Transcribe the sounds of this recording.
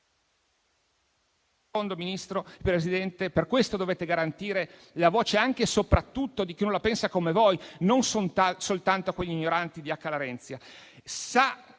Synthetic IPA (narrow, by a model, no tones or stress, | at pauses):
kond̪ominist̪ɾopɾesid̪ɛnt̪eperkwest̪od̪oveːt̪eɡaɾant̪iːɾe | lavoːt͡ʃeaŋk̟esopɾat̪ːut̪ːod̪ik̟inõlapɛnsakomevojnonsonsolt̪ant̪oakweʎːiːɲːoɾant̪id̪iakːalaɾɛnt̪sjasa